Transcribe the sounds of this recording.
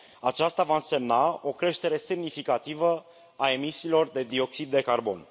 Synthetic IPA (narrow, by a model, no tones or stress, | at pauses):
at͡ʃast̪avaɨnse̞mnao̞kɾe̞ʃt̪e̞ɾe̞se̞mnifikat̪ivə | ae̞misiːlo̞rd̪e̞d̪io̞ksid̪ːe̞karbo̞̰n